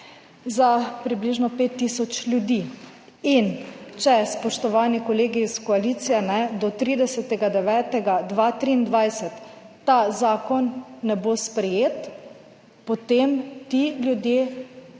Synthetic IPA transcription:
zapɾibliʒnɔpeːt̪ːisɔt͡ʃlʲjud̪i | int͡ʃɛspɔʃt̪ɔʋaːnikɔleːɡiskɔaliːt̪sijɛnɛd̪ɔt̪ɾid̪ɛsɛt̪ɛɡad̪ɛʋɛːt̪ɛɡad̪ʋaːt̪ɾiːnd̪ʋajsɛt̪ː | azaːkɔnːɛbospɾɛjeːt̪ | pot̪emt̪ilʲjud̪jeː

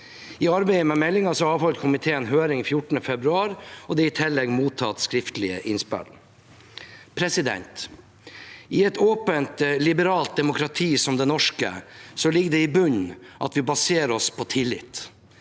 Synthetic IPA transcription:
ɪɑɾbeɪəmɛmɛlːɪŋɑsɔɑːʋhɔlkʰʊmɪt̪ʰeːənɦøːɾɪŋfjʊʈːən̩əfɛbɾʉɑːɾɔd̪ɛɪt̪ʰɛlːɛɡmuːt̪ʰɑt̪skɾɪft̪əlɪə̰ʔɪnspæ̰l | pʰɾɛsɪd̪ɛ̰nt̪ | ʔɪɛt̪oːpənt̪lɪbəɾɑːlt̪̚d̪ɛmʊkɾɑt̪ʰiːsɔmd̪ɛnɔʂkə̰sɔlɪɡd̪ɛɪbʉɲʔɑ̰t̪ʋɪbɑseːɾɔspʰɔt̪ʰɪlːɪ̰t̪

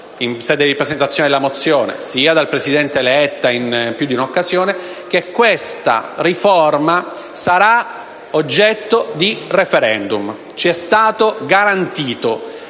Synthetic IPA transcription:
insɛːd̪eiɾipɾesent̪at̪sːjoned̪elamot̪sːjoːnḛsiːad̪alpɾesid̪ɛnt̪eːlɛt̪ːainpjud̪iunokːazjoːnek̟ekːwest̪a̰riforma | saɾa | od͡ʒːɛt̪ːod̪irefeɾɛnd̪um | t͡ʃiɛst̪aːt̪oɡaɾant̪iːt̪o

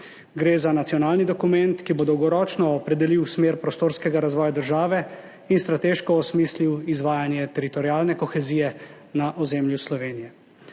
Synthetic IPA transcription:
ɡɾeːzanat̪sijɔnaːlnid̪ɔkumɛnt̪kibod̪ɔwɡɔɾɔːt͡ʃnɔːpɾɛd̪ɛliwsmeːɾpɾɔst̪oːɾskɛɡaɾazʋɔːjad̪əɾʒaːʋɛ | inst̪ɾat̪eːʃkɔːsmiːsliwizʋaːjanjɛt̪ɛɾit̪ɔɾiaːlnɛkɔxɛziːjɛ | naʔɔzemljuslɔʋeːnijɛ

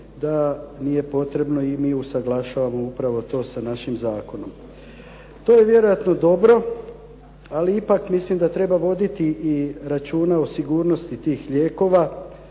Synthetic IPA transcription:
d̪anije̞po̞t̪ɾe̞bno̞imiːusaɡlaʃaːʋamo̞upɾaʋo̞t̪o̞ːsanaʃimzaːko̞no̞m | t̪o̞ːje̞ʋje̞ɾo̞jat̪no̞d̪o̞bɾo̞ | aliipakmislimd̪at̪ɾe̞baʋo̞d̪it̪iʔːɾat͡ʃuːnaosiɡuːɾno̞st̪it̪iːxʎe̞ːko̞ːʋa

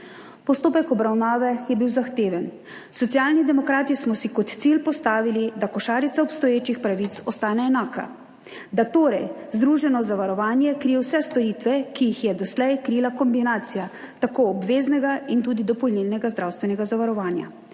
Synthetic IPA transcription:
pɔst̪oːpɛkɔbɾawnaːʋɛjɛbiwzaxt̪eːʋɛn | sɔt̪sijaːlnid̪ɛmɔkɾaːt̪ismɔsikɔt̪t̪silpɔst̪aːʋilid̪akɔʃaːɾit̪aɔpst̪ɔjeːt͡ʃixpɾaʋit̪sɔst̪aːnɛːnaːka̰ | d̪at̪oːɾɛjzd̪ɾuːʒɛnɔzaʋaɾɔʋaːnjɛkɾiːjɛwsɛst̪ɔɾit̪ʋɛkijixjɛd̪ɔslɛjkɾilakɔmbinaːt̪sija | t̪akoɔbʋeːznɛɡaint̪uːd̪id̪ɔpɔlnilnɛɡazd̪ɾawst̪ʋɛnɛɡazaʋaɾɔʋaːnja̰

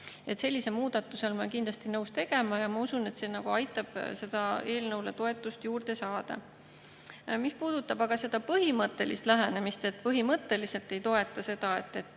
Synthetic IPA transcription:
e̞t̪se̞lʲːise̞lmuːd̪̥ɑt̪ːˑuse̞lmɑkind̪̥lɑst̪inɤwst̪e̞ɡ̥e̞mɑjɑmɑusune̞t̪se̞ːnɑɡ̥uɑjt̪ːˑɑb̥se̞d̪̥ɑe̞ːlnɤwlet̪o̞e̞t̪ːˑust̪juːrd̪̥e̞sɑːd̪̥ɑ̰ | mispuːd̪̥ut̪ːˑɑbɑɡ̥ɑse̞d̪̥ɑpɤɦimɤt̪ːˑe̞list̪læɦenemist̪e̞t̪ːˑpɤɦimɤt̪ːˑe̞lise̞lt̪ːˑe̞jt̪o̞e̞t̪ːˑɑse̞d̪̥ɑe̞t̪ːˑe̞t̪ːˑ

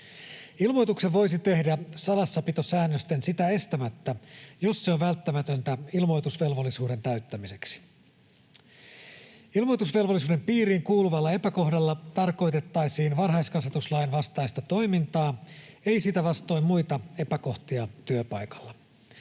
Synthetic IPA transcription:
ilmo̞jt̪ukseʋo̞jsit̪e̞hdæsɑlɑsːɑpit̪osæːnːøst̪ensit̪æe̞st̪æmæt̪ːæjo̞sseoʋʋælt̪ːæmæt̪ønt̪æilmo̞jt̪usʋe̞lʋo̞lːisuːɾe̞nt̪æyt̪ːæmise̞ksi̥ | ilmojt̪usʋe̞lʋolːis̬uːde̞mpiːɾiːŋkuːluʋɑlːɑe̞pæko̞hdɑlːɑt̪ɑrko̞jt̪e̞t̪ːɑjsiːnʋɑnɦɑjskɑset̪uslɑjnʋɑst̪ɑjst̪ɑt̪o̞jmint̪ɑː | e̞jsit̪æʋɑst̪o̞jmmujt̪ɑe̞pæko̞ht̪iɑt̪yøpɑjkɑ̥lːɑ

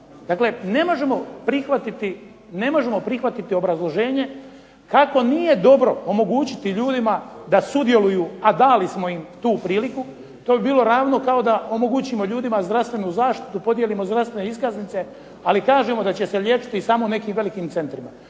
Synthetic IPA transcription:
d̪akle̞ne̞mo̞ʒe̞mo̞pɾixʋat̪it̪i | ne̞mo̞ʒe̞mo̞pɾixʋat̪it̪io̞bɾazlˠo̞ʒe̞ːɲe̞ | kako̞nije̞d̪o̞bɾo̞omo̞ɡuːt͡ɕit̪iʎuːd̪imad̪asud̪je̞lujuːad̪aːlismo̞imt̪uːpɾiːliku | t̪obibiːlˠo̞ɾaːʋno̞kao̞d̪aʔo̞mo̞ɡut͡ɕimo̞ʎuːd̪imazd̪ɾast̪ʋe̞nuzaːʃt̪i̥t̪upo̞d̪jelimo̞zd̪ɾast̪ʋe̞neiskaznit̪se̞ | alikaːʒemo̞d̪at͡ɕe̞se̞ljet͡ʃi̥t̪isaːmone̞kiːmʋe̞likiːmt̪se̞nt̪ɾima

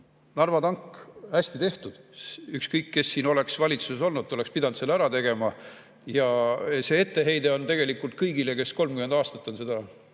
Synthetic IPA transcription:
nɑrvɑt̪ɑŋkːhæsʲt̪it̪e̞ht̪ud̪̥ykskɤjkːe̞sːiːno̞le̞ksvɑlʲit̪suseso̞lnud̪o̞le̞kspid̪ɑnd̪selːæɾɑt̪e̞ɡ̥e̞mɑ | jɑse̞ːe̞t̪ːe̞ɦe̞jd̪e̞o̞nt̪e̞ɡ̥e̞likːˑult̪̚kɤjɡ̥ile̞ke̞sko̞lmɡkymend̪ɑːst̪ɑt̪ːˑo̞nse̞d̪ɑ

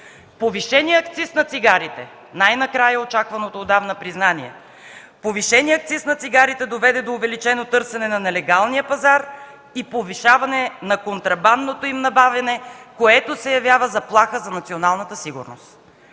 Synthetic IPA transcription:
poviʃɛniɛɐkt̪sisnɐt̪siɡaɾit̪ɛ | najnɐkɾajəot͡ʃakvɐnot̪oːd̪avnəpɾiznaniɛ̰ | poviʃɛniɛɐk̚t̪sisnɐt̪siɡaɾit̪ɛd̪ovɛd̪ɛd̪oːvɛlit͡ʃɛnot̪ɤɾsɛnɛnɐnɛlɛɡalˠnijəpɐzaɾ | ipoviʃavɐnɛnɐkont̪ɾɐband̪not̪oimnɐbavʲjɐnɛkoɛt̪osɛjɐvjavəzɐplˠaxəzɐnɐt̪sionalˠnɐt̪əsiɡʊ̰ɾno̰st̪

